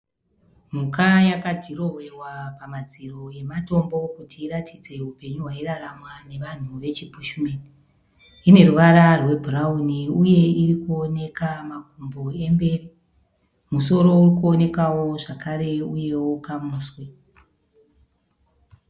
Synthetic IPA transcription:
m̤ukajakatiro̞we̞wapamad͡ziro̞je̞mato̞mbo̞kutiːɾatʰid͡ze̞upe̞ɲuɦwairaramwane̞ʋan̤uʋe̞t͡ʃipuʃumeni | ine̞ruʋaɾarwe̞bʱurauniuje̞iɾikuone̞kamaɡʱumbo̞e̞mbe̞ːri | muso̞ɾo̞urikuo̞ne̞kawo̞ʐakaɾe̞uje̞wo̞kamuːswe

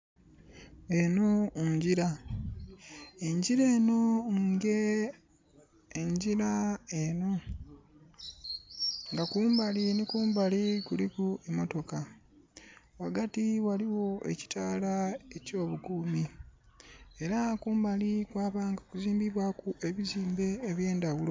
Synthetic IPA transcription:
e̞noɲɟiɾa | eɲɟiɾe̞ːno̞ŋɡe | eɲɟiɾaeno̞ | ŋɡakuːmbalinikuːmbalikulikuemoto̞ka | waɡatiwaliwo̞e̞̰ci̥taːlae̞co̞ːβuɡuːmi | e̞ɾakuːmbalikwaːβaŋɡakuziːmbiβwakuʔe̞βiziːmbe̞ːβje̞ːndawulo

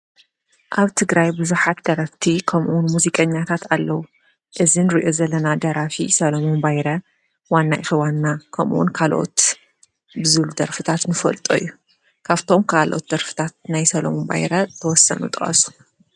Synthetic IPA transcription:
ʔaβt̪ʰɨɡɾajbɨzuħat̪d̪̥ɐɾɐft̪ʰikʰɐmʔunmuzikʼɐɲːat̪ʰat̪alːɐwu | ʔɨzinɾiʔo̞zɐlːɐnad̪ɐɾafḭsɐlɐmonbajɾɐ | wanːaʔifɐwanːakʰɐmʔṵnkʰalʔo̞̰t̪ | bɨzɨβlud̪ɐɾfɨt̪ʰat̪nɨfɐ̰lt̪ʼo̰ijːu | kʰaβt̪ʰo̞mkʰaalʔo̞̰t̪̚d̪ɐɾfɨ̥t̪ʰat̪̚najsɐlɐmonba̰jɾɐt̪ʰɐwɔsːɐ̰nṵt̪ʼɨχʼɐ̰su̥

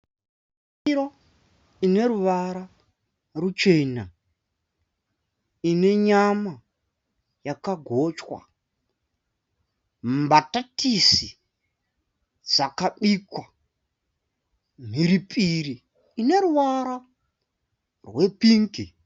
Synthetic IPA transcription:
iɾo | ine̞ɾuʋaɾa | rut͡ʃe̞na | ine̞ɲama | jakaɡʱo̞t͡ʃwa̰ | mbatatisi | d͡zakaɓikwa | m̤iɾipʰʼiɾiː | ne̞ɾuʋaɾa | rwe̞piːŋki

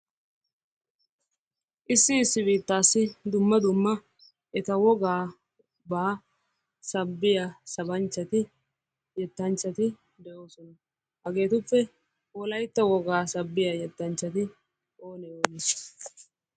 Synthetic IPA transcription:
ʔɪsːɪːsːɪbiːt̪ːaːsːɪd̪ʊmːɐd̪ʊmːɐ | ʔɛt̪ɐwɔɡaː | baː | sɐbːɪjasɐbɐnt͡ʃːɐt̪ɪ | jɛt̪ːɐnt͡ʃːɐt̪ɪ | d̪ɛʔo̞ːsɔnɐ | hɐɡe̞ːt̪ʊpːɛ | wɔlɐjt̪ːɐwɔɡaːsɐbːɪjɐjɛt̪ːɐnt͡ʃːɐt̪ɪ | oːnɛoːnɪs

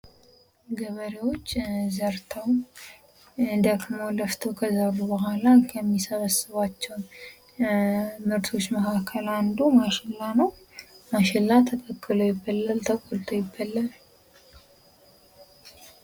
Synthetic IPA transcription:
ɡəβəɾewo̞t͡ʃːzəɾt̪ʰəw | ɨnd̪akʰəmoləft̪ʰəwkʰəzəɾubəɦʷalakʰəmːisəβəsɨβat͡ʃːɛwn | mɨɾt̪ʰo̞t͡ʃːməkakʰəland̪umaʃɪlːanəw | maʃɪlːat̪ʰək̪ʼəkʼːɨlojɪbːəlːəlt̪ʰəkʼolt̪ʰojɪbːəlːəl

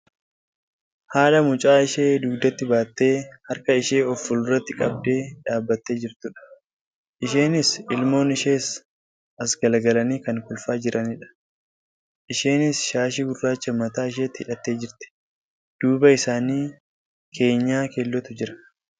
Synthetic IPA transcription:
haːlɐmʊt͡ʃʼaːɪʃe̞ːd̪uːɡd̪ɐt̪ːɪbaːt̪ːe̞ːhɐɾkɐɪʃe̞ːɔfːʊlʊrːɐt̪ːɪkʼɐb̚d̪e̞ːᶑaːbːɐt̪ːe̞ːd͡ʒɪɾt̪ʊᶑɐ̥ | ʔɪʃe̞ːnɪsɪlmo̞ːnɪʃe̞ːs | ɐsɡɐlɡɐlɐniːkɐŋkʊlfaːd͡ʒɪɾʔɐnɪᶑɐ̥ | ʔɪʃe̞ːnɪsʃaːʃ̬ɪɡʊrːaːt͡ʃːɐmɐt̪aːɪʃ̬e̞ːt̪ːɪhɪᶑɐt̪ːe̞ːd͡ʒɪɾt̪ɪ̥ | d̪̥uːbɐɪsaːniː | kʰe̞ːɲːaːkelːɔt̪ʊd͡ʒɪɾɐ̥

